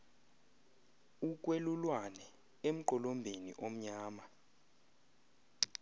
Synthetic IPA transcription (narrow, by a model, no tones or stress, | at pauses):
uk̬ʼwelulwanɛ | em̩ǃɔlombʱenḭʔom̩ɲaːma